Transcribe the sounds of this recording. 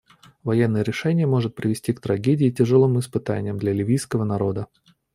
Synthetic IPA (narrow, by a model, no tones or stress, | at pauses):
vɐjenːəjəɾʲɪʂɛnʲɪjəmo̞ʐɨt̪̚pɾʲɪvʲɪsʲtʲikt̪ɾɐɡʲedʲɪːtʲɪʐɨlˠɨmɪspɨt̪a̰nʲɪjəmd̪lʲɐlʲɪvʲijskəvənɐɾo̞d̪ə